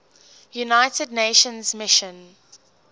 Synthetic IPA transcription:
junaɪtədneɪʃə̃nzmɪʃə̃n

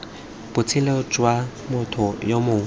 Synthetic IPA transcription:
b̥ʊt͡sʰɪleʊt͡ʃʼwa | mʊtʰʊjomʊŋ

